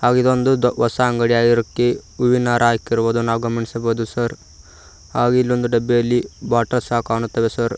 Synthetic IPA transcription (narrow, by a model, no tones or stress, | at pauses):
haːɡid̪ond̪uʋɐsaːŋɡɐɽijaːɡiɐɾɐkːeuʋinaːɾʔɐaːkiɾboːd̪unaːʋɡɐmɐɳisɐboːd̪usɐɾ | haːɡuilːond̪uɖɐbːejɐlːibaːʈːɐɾsaːkaːɳut̪ːɐʋesɐɾ